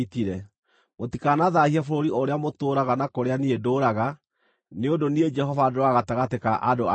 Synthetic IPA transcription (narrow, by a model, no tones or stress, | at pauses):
tiɾɛ | motikanaðahiɛfoɾoɾiʔoɾeamotoːɾaɣanakoɾeaniedoːɾaɣa | neondonied͡ʒɛhɔvadoɾoaːɣataɣatekaʔadoa